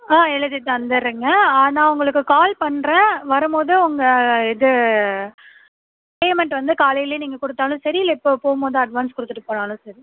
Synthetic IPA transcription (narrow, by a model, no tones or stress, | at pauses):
aːɛɭɐðɪt̪ːaɐnd̪ɐɾɯŋɡɐaːnãːʊŋɡɐɭɯkːɯkaːlpɐɳːɾɐ̃ʋɐɾɯmpoːðɯʊŋɡɐɛðɯ | peːmɛɳʈʋɐnd̪ɯkaːlɐjɪleːniːŋɡɐkʊɽɯt̪ːaːlʊ̃sɐɾɪɪlːɐɪpːoːpoːmpoːðɯɐɖʋaːnskʊɽɯt̪ːɯʈːɯpoːɳaːlʊ̃sɐɾi